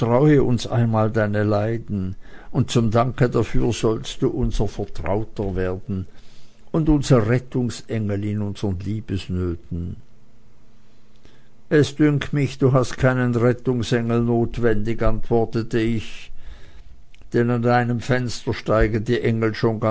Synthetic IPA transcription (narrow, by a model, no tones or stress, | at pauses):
tʁ̥aʊəʔʊnsʔa̰ɪnmaːldaɪnəlaɪdn̩ʊnt̚t͡sʊmdaŋkədafyːɐz̥ɔlstd̥uːʔʊnzəfɛɐtʁ̥a̰ʊtəveːɐdn̩ | ʊndʊnz̥ʁəʁɛtʊŋsʔɛŋəl̩ɪnʊnz̥əʁənliːb̥əsnøːtn̩ | ʔɛsd̥ʏŋktmɪçd̥uːɦastkʰaɪnənʁɛtʊŋsɛŋl̩noːtv̥ɛndɪɡantv̥ɔɐtətəɪç | d̥ɛnandaɪnəmfɛnstəʃtaɪɡədiːʔɛŋl̩ʃoːnɡa